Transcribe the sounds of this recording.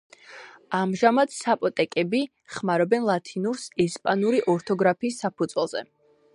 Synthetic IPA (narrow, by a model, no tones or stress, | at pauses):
amʒamad̪sapʼɔt̪ʼɛkʼɛbi | χmaɾɔbɛnlˠat̪ʰinuɾsɛspʼanuɾiʔɔɾt̪ʰɔɡɾapʰiːsːapʰud̪z̥wɛlˠzɛ̰